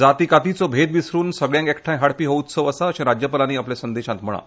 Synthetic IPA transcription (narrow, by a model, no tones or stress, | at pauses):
d͡zat̪ikat̪it͡sɔbʱed̪ʋisɾuːnsəɡɭjãŋkekʈʰãj̃ɦaɽpiːɦout̪səʋəsaəɕẽɾad͡ʑjəpəlaniːaplesənd̪eɕãt̪m̤əɭ̃a̰